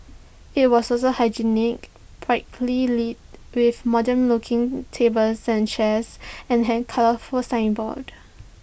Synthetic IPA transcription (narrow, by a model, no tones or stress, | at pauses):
it̚wɔsɔsohaɪd͡ʒinɪk̚ | pʰɹaɪkʰlilit̚wifmɔdə̃nlʊkʰɪ̃ŋtʰebəlsɛ̃nt͡ʃɛsɛ̃nɦɛ̃d̚kʰaləfɔsãɪ̃nbɔ̰d̥